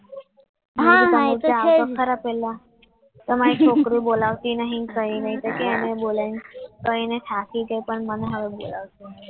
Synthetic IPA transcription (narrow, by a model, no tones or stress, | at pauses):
ɦat̪uaːsəkʰːəɾapela | t̪əmãek̚ʈokɽiːbolaʋt̪iːnaɦĩkəɦinaɦit̪əkianebolenkəinetʰakid͡ʑejpəɳmənɦəʋebo̰laʋt̪i